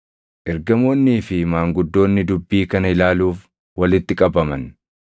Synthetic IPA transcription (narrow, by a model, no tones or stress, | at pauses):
ʔɛɾɡɐmo̞ːnːiːfɪmaːŋɡʊd̪ːo̞ːnːɪd̪ʊbːiːkɐnɐɪlaːluːf | wɐlɪt̪ːɪkʼɐbɐmɐn